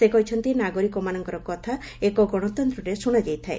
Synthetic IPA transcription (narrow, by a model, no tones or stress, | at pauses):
sekɔɦit͡ʃʰɔnt̪inaɡoɾikɔmanɔŋkɔɾɔkɔt̪ʰa | ekɔɡɔɽ̃ɔt̪ɔnt̪ɾɔɾesuɽ̃ɔd͡ʒajt̪ʰae